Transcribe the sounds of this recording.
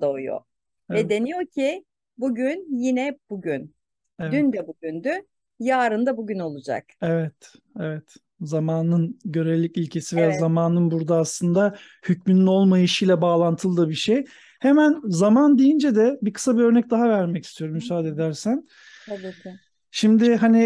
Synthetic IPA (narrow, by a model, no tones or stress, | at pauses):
d̪ojo̰ | ɛd̪e̞nijocʰɪ | buɟynjinɛbuɟyn | ɛdvynd̪ɛbuɟynd̪y | jaːɾɯnd̪abuɟyno̞lˠud͡ʒa̰kevɛt̪ | evɛt̪ | zamaːnɯnɟø̞ɾevlʲːicilʲcʰe̞sive̞jaːzamaːnɯnbuɾd̪aːslˠɯnd̪a | hycmynyno̞lˠmajɯʃɯjlʲɛbaːlˠant̪ʰɯlˠd̪ɯbiɾʃej | hemænzamand̪ijind͡ʒɛd̪ɛbikʰɯ̥sabiø̞ɾnɛc̚d̪aɦavæɾmɛcist̪ʰijo̞ɾumːysaːd̪e̞d̪æɾsæn | t̪ʰabika | ʃimd̪ɪɦanɪ